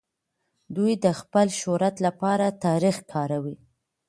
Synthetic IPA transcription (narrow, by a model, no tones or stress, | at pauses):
d̪ujd̪əxpəlʃoɾat̪lapɑɾat̪ɑɾixkʰɑɾawi